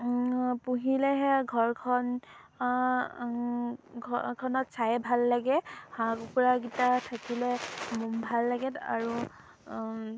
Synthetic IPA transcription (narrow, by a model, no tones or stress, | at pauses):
puɦilɛɦɛɡʱɔɹkʰɔn | kʰɔnɔtsajɛbʱalːaɡɛhãkpɔɹaɡitatʰakilɛmɔmbʱalːaɡɛta̰ɹu